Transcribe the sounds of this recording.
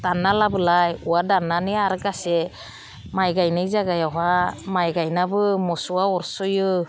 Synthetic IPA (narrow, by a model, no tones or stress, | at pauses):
d̥analabɯlajuwadananeaɾɡasɛ | majɡajnɯjzaɡajaɦamajɡajnabɯmɔsuwaɔɾsɯjɯ